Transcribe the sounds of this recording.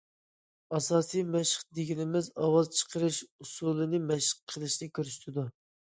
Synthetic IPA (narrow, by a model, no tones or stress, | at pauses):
ɑsɑːsijmɛʃəχd̪eɡʲinɪmɪzɑwɑzt͡ʃʰə̥qʰəɾɨʃusulˠɨnɨmɛʃə̥qqʰəlˠɨʃnɨkʲʰøɾyʃt̪ʰɪd̪u